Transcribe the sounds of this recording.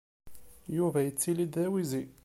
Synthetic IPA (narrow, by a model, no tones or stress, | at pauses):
juvæjət͡sːilid̪æwizi